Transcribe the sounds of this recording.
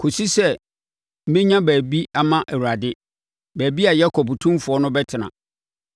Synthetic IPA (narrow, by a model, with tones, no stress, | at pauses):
kʰo˨si˦sɛ˦˨ | m̩˦mɪ̃˦ɲã˦bæː˨bi˦a˨mã˦ʔæ˨wu˨ɾa˨dɪ˦ | bæː˨bi˦a˨jɛ˦kʰɔ˨bu˨tʰũ˦fʊ˨ɔ˦nʊ̃˦bɛ˦tʰɪ˨nã̰˨